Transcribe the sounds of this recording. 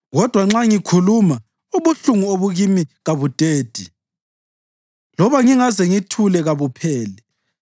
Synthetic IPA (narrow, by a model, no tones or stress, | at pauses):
ɣɔd̥ʱwaŋ͡ǁaŋikʰuluma | uβuɬuŋuoβuɣimiɣaβud̥ʱʼeːd̥ʱi | lɔβaŋiŋazɛŋitʰulɛɣaβupʰɛːlɛ